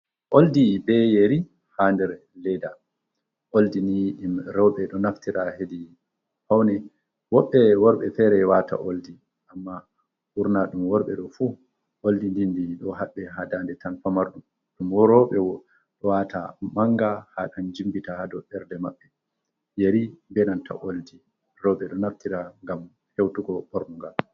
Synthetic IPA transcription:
ʔoldibɛjeɾi | handɛɾ | lɛda | ʔoldinijɗimɾɔwɓɛɗɔnaftiɾahedi | hawnɛ | wɔɓːɛwɔɾɓɛfɛɾɛwatʰa̰ʔoldi | ʔamːa | ʔuɾnaɗumwɔɾɓɛɗɔfu | ʔoldindindiɗɔɦaɓːɛɦadandɛtanfamaɾɗum | ɗumwɔɾɔɓɛwɔ | ɗɔwatʰa̰maŋɡahaɗand͡ʒimbitahadɔɓɛɾdɛma̰ɓːɛ | jeɾibɛnantʰa̰ʔoldi | ɾɔwɓɛɗɔnaftiɾaŋɡam | hewtuɡɔɓoɾmuŋɡal

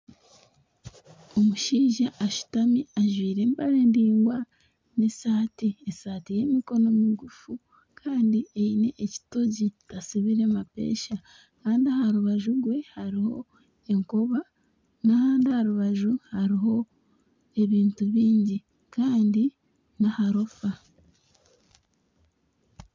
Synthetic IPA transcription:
o̞muʃiːʒaʔːʃu̥tamiaʒwiːɾe̞ːmbaɾe̞ːndiːŋɡwa | nesaːtiesaːtije̞ːmiko̞no̞miɡufu | kʰaːndieine̞ʔeci̥to̞ɟitasiβiɾemape̞̰ːʃa | kaːndiahaɾuβaʒuɡwe̞haɾiho̞̰ | e̞ŋkoβa | nahaːndiahaɾuβaʒuhaɾiɦo̞ | e̞βiːntuβiːɲɟi | kʰaːndi | nahaɾo̞fa

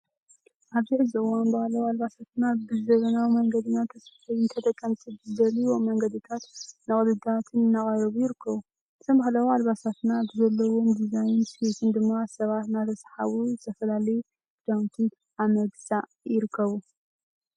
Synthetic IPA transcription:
ʔaβzɨħɨziɨwanbahlɐwalβasat̪nabɨzɐβɐnawmɐŋɡɐd̪ɨnat̪ʰɐsfħajɨnt̪ʰɐt̪ʰʼɐkʼːɐmsɨβzɨd̪ɐliwo̞mːɐŋɡɐd̪ɨt̪ʰat̪nɨχʼlɨd̪at̪ʰɨnnːaχʼaɾɐβujɪɾɨkʰːɐβu | ɨt̪ʰɐmbahlɐwalβasat̪nabɨzɐlːɐwo̞md̪izajɪnset̪ʰɨnd̪ɨmːasɐβat̪nat̪ʰɐsħa̰βuzɨt̪ʰɐfɐlalɐju | d͡ʒawnt̪ʰɨn | ʔamɐɡsʼaʔ | jɪɾɨkʰːɐβu

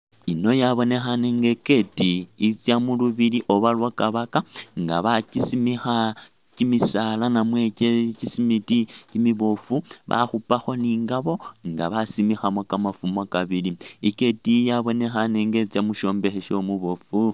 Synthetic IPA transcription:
ino̞jaβo̞ne̞xaneŋɡeke̞tiːt͡sjamuluβiliʔo̞βalwakaβakaŋɡa̰βacisimixa | cimisalanamwececisimiticimiβofuβa̰xupaxo̞niːŋɡaβo̞ŋɡaβasimixamokamafumakaβiliike̞tijaβo̞ne̞xaneŋɡet͡sjamuʃo̞ːmbe̞xeʃo̞muβofu

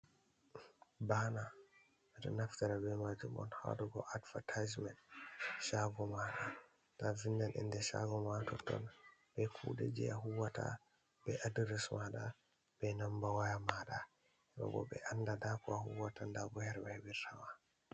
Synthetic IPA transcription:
bana | atɔnaftaɾabɛmad͡ʒumɔ̰nha̰ɗuɡɔ̰ʔadvatʰad͡ʒmɛntʃaɡɔmaɗa | tavindanʔḭndɛʃa̰ɡɔmatɔtːɔnbɛkʰudɛ̰d͡ʒɛ̰aɦuwata̰ | bɛʔadiɾismaɗa | b̥ɛnambawajamaɗa | sɛba̰bɔ̰bɛ̰ʔandadakɔahuwatandaɡɔhɛɾbɛhɛbiɾtawa

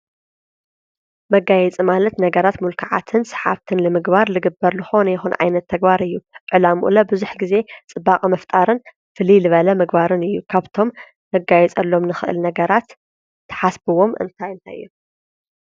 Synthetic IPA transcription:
mɐɡajɛt͡sʼimalɐt̪nɐɡɐɾat̪mulkʰaʕa̰t̪ʰɨnsɐ̥ħa̰βt̪ʰɨnlɨmɨɡbaɾlɨɡɨbːɐɾzɨxo̞nɐjɪxunʕa̰jnɐt̪ʰːɐɡbaɾɨjːuʔʕɨlamuʔlɐbɨzuħɡize̞t͡sʼɨbːakʼmɐft̪ʼaɾɨn | fɨlilɨβɐlɐmɨɡbaɾɨnɨjːukʰaβt̪ʰo̞m | nɐɡajɛt͡sʼɐlːomnɨxɨʔɨ̰lnɐɡɐɾat̪ʰː | ɐ̥ħasbɨwo̞mʔɨ̰nt̪ʰajɨnt̪ʰa̰jɨ̰jːu

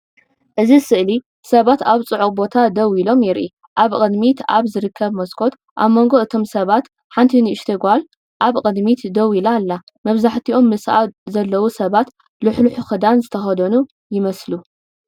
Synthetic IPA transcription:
ʔɨzisɨʔli | sɐβat̪aβt͡sʼɨʕukʼbo̞t̪ʰad̪ɐwilo̞mjɪɾʔi | ʔaβkʼɨd̪mit̪aβzɨɾɨkʰːɐβmɐskʰo̞t̪ | ʔa̰βmo̞ŋɡo̞ʔɨt̪ʰo̞msɐβat̪ | ħant̪ʰiniʊʃt̪ʰeɡʷal | ʔaβkʼɨd̪mit̪d̪ɐwilalːa | mɐβzaħt̪ʰiʔo̞mːɨsazɐlːɐwusɐβat̪ | lɨħluħuxɨd̪anzɨt̪ʰɐxɐd̪ɐnu | jɪmɐslu

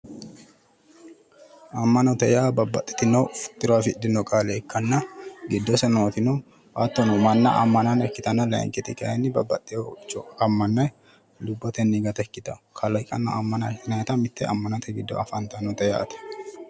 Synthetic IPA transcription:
ɐmːɐnɔt̪ɛjaːbɐbɐt̪ʼːɪ̥t̪ɪnofʊ̥t̪ʼːɪɾwaːfɪd̪ɪnɔkʼaːlɛːkːɐnːɐɡɪd̪ːɔsɛnot̪ɪno | ʔat̪ːɔnʊmɐnːɐ̰ʔɐ̰mːɐnɐnɛkːɪt̪ɐnɐlɐ̰ŋkʼɪt̪ɪkʼɐɛnːɪbɐbːɐt̪ʼːɪjot͡ʃːɔɐmːɐnːɐj | lʊbːɔt̪ɛnːiɡɐt̪ɐɛkːɪt̪ɐkʰɐlɐjkʼːɐnːɐ̰ɐmːɐnɐjnɐt̪ɐmɪt̪ːɛʔɐ̰mːɐnɐt̪ʰɛɡɪd̪ːɔ̰ɐfɐnt̪ɐnɔt̪ɛja̰ːt̪ɛ̥

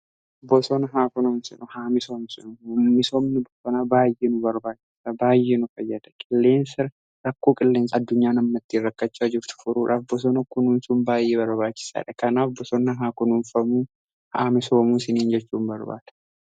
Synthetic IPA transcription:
bɔsɔnɐɦaːkʊnɐmsɛnʊhaːmɪsoːmsɪnʊʊnmɪsomnɪbɔsɔnabaːjʔeːnʊbɐɾbaːt͡ʃːɪ̥saːbaːjːeːnʊfɐjːɐd̪ɐ̥kʼɪlːe̞ːnsɪɾ | ɾɐkːo̞ːkʼɪlːe̞ːnsɐːd̪ːʊɲːaːnɐmːɐt̪ːiːrːɐkːɐt͡ʃːaːd͡ʒɪɾt̪ʊ̥fʊɾuːᶑaːfbɔs̬ɔnɐkʊnʊnsʊnbaːjʔeːbɐɾbaːt͡ʃːɪ̥sa̰ːᶑɐkɐnaːfbɔsɔnːɐɦaːkʊnʊnfɐmuː | haːmɪso̞ːmuːsɪniːnd͡ʒɛt͡ʃːuːmbɐɾba̰ːt̪ɐ̥

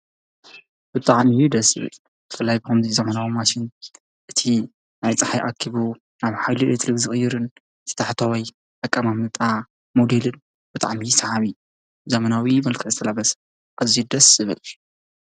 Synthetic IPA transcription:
b̥ɨt̪ʼaʕmijud̪ɐsɨ̰βɨ̰l | zɨfɨlːajbɨxɐmzizɐmɐnawimaʃɪn | ʔɨt̪ʰi | najt͡sʼaħajʔa̰kʰiβu | naβħajluet̪ʰlɨɡzɨxʼɨjːɪɾɨn | t̪ʰɨ̥t̪ʰaħt̪ʰawaj | ʔakʼːamamnɨt̪ʼa | mod̪elɨn | b̥ɨt̪ʼa̰ʕmisɐʕaβi | zɐmɐnawimɐlkʰɨzɨt̪ʰɐlabɐs | kʼɐzid̪ɐsɨβɨl

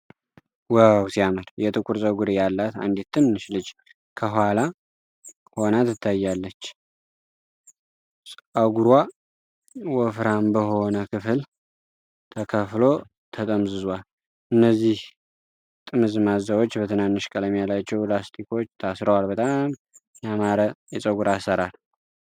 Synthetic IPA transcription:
wəwsiaməɾjɛt̪ɨkʷʼuɾsʼəɡuɾijalːat̪a̰nd̪et̪ːɨnnɨʃlɨd͡ʒ | kʰəɦala | honat̪ɨt̪ʰːajːalːət͡ʃː | sʼʔaɡuɾwa | wɔfɾambəɦo̞nəkʰɨfɨl | t̪ʰəkʰəflo̞ | t̪ʰət̪ʼəmzɨzwal | ɨnːəzːih | t̪ʼɨmɨzmazəwot͡ʃːbət̪ʰɨnanːɨʃkʼələmjalat͡ʃːɛwlast̪ʰiko̞t͡ʃːt̪ʰasɾəwalbət̪ʼam | jamaɾəjɛsʼəɡuɾasːəɾal

